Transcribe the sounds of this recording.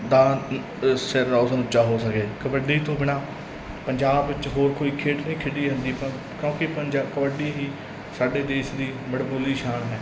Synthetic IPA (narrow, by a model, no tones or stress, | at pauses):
d̪ãː | sɪɾːaːʊsnʊt͡ʃːaːɦoːsəkeːkəbəɖ̪eiːt̪õːbɪɽ̃aː | pəɲd͡ʒaːbʋɪt͡ʃɦoːɾkoːiːkʰeːʈnəĩːkʰɪɖiːɦə̃nd̪iːpã | kjõːkɪpəɲd͡ʒaːkɔːɖiːɦiː | saːɖeːd̪eːʃd̪iːməɽboːliːʃaːɳɦɛː